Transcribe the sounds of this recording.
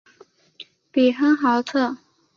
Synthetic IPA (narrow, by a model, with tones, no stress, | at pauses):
pi˨˩xə˥ŋxɑ˧˥ʊt͡sʰɤ˥˩